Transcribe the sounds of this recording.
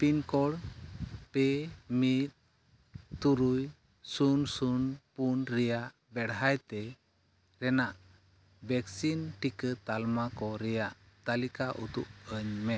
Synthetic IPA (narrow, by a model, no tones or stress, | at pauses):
pinkɔɽ | pɛmit̪̚ | t̪uɾuj | sunsunpunɾɛjaʔ | bɛɽɦajt̪ɛ | ɾɛnaʔ | bɛksinʈikət̪almakɔɾɛjaʔ | t̪alikaʔud̪up̚əɲmɛ